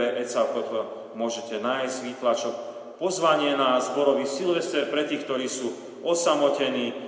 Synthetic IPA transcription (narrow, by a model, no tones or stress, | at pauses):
ɛʔɛt͡sapɾɔt̪ɔ | mʊɔʒɛcɛnaːjzɟʋiːt̪lat͡ʃɔk̚ | pɔzʋaɲɪɛnazbɔɾɔʋisilʋɛst̪ɛɾpɾɛt̪iːxkt̪ɔɾiːsuː | ɔsamɔcɛniː